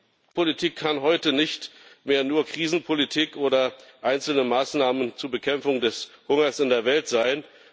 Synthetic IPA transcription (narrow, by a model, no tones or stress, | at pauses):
pʰolitʰiːkʰːanɦɔʏtənɪçtmeːɐnuːɐkʁ̥iːzn̩pʰolitʰiːkʔoːdɐʔaɪnt͡sl̩nəmaːsnaːmənt͡suːɐbəkʰɛmfʊŋdɛshʊŋɐsɪndeːɐvɛltz̥aɪn